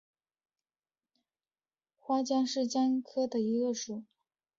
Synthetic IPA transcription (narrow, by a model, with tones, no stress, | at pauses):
xwa˥t͡ɕjɑ˥ŋʂɻ̩˥˩t͡ɕjɑ˥ŋkʰɤ˥d̪ə˨i˧˥ɡə˧ʂu˨˩˦